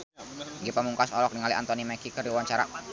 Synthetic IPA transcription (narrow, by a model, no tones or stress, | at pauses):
ŋɡipamuŋkasɔlɔk̚dəŋaliʔa̰nt̪ɔnimɛkikərdiwaɲt͡ʃaɾa